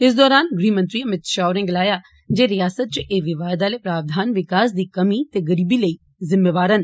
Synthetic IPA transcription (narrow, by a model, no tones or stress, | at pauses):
ɪs̬d̪ɔːɾaːnɡɾiːmə̃nt̪ɾiːəmɪt̪ʃaːʊɾẽːɡəlaːjaː | d͡ʒeːɾɪjaːsət̪̚t͡ʃʔeːʋɪʋaːd̪aːleːpɾaːʋd̪ʱaːnʋɪkaːsd̪iːkəmiːt̪eːɡəɾiːbiːləiː | zɪmːeːʋaːɾən